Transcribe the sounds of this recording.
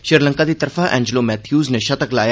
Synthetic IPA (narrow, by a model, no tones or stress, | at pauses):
ʃɪɾlə̃ŋkad̪it̪ɐɾfaʔɛ̰̃ːɲd͡ʒəlomɛːt̪ʰjuːzneʃɐt̪əklaːja